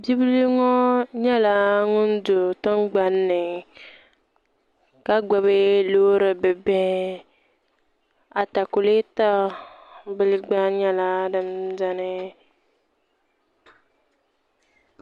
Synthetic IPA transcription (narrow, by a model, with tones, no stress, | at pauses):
bi˦bi˦li˦ŋɔ˦ɲɛ˦la˨ŋʊ˦n˦dʊ˨tɔ˦nɡ͡ba˨nːɨ˨ | ka˦ɡ͡ba˨be˦loː˦ɾɨ˨bɛ˨bɛ̃˦ | a˨ta˨ku˨le˦ta˦ | bɨ˦lɡ͡ba˦ɲɛ˦la˦dɨ˨mda˦nɨ˦